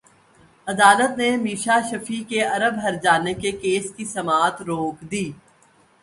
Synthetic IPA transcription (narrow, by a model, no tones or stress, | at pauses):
ɐd̪aːlət̪nemiːʃaʃɐfikeɐɾəbɦɐɾd͡ʒaːnekekeːskisɐmaːt̪ɾoːkd̪iː